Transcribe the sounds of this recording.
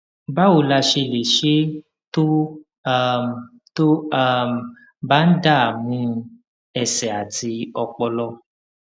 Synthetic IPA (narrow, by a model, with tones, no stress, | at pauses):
ba˦o˨˧˨la˧ʃe˧˨le˨ʃe˦ | to˦ | to˦a˦m˨ | ba˦n̩˦da˦˨a˨mũ˨˦ | ɛ˨sɛ˨a˨ti˧˦ɔ˧k͡pɔ˧lɔ˧